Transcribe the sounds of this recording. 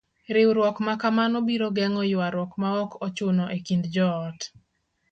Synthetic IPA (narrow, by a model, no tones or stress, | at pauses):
ɾɪwɾwɔkmakamanɔbiɾoɡɛŋɔjʊaɾwɔkmaɔkɔt͡ʃʊnɔʔekindd͡ʒɔːt